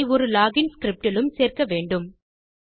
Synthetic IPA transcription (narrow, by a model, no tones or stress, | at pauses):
ɪɔɾɯlaːɣɪnskɾɪp̚ʈɪlɯmseːrkɐʋeːɳɖɯm